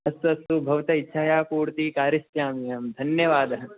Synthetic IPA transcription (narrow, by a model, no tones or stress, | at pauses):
ɐst̪ɐst̪ubʱɐʋt̪ɐitːʃʰaːjaːkuːɽt̪ikaːɾist̪jaːmijɐmd̪ʱɐnjɐʋaːd̪ɐɦɐ